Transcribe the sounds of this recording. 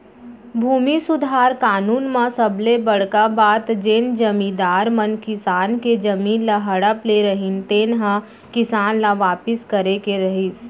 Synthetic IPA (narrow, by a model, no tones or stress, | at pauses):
bʱuːmisʊd̪ʱaːɾkaːnuːnmãsəblebɐɽ̤kabaːt̪d͡ʒend͡ʒɐmĩd̪aːɾmɐnkɪsaːnked͡ʒɐmiːnlaɦɐɽəpleɾɐɦint̪eːnɦã | kɪsaːnlaʋaːpɪskəɾekeɾɐɦis